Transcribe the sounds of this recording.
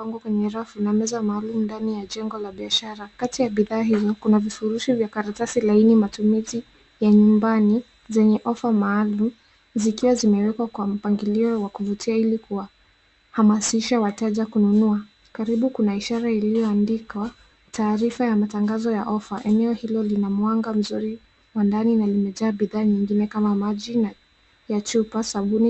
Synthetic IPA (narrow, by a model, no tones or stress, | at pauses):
aŋɡɔkwɛɲɛɾafunamɛzamaːlumundanijaʄɛŋɡɔlaɓiaʃaɾakatijaɓiðaːɦizɔkunavifuɾuʃivjakaɾatasilainimatumizi | jaɲumbani | zɛɲɛʔɔfamaːlum̩ | zikiwazimɛwɛkwakwam̩paŋɡiliɔwakuvutʰiailikuwa | hamasiʃawatɛʄakununua | kaɾiɓukunaiʃaɾailijɔandika | tʰaːɾifajamataŋɡazɔjaʔɔfaʔɛnɛɔhilɔlinamwaŋɡam̩zuɾi | wandaninalimɛʄaːɓiðaːɲiŋɡinɛkamamaʄina | jat͡ʃupasaɓuni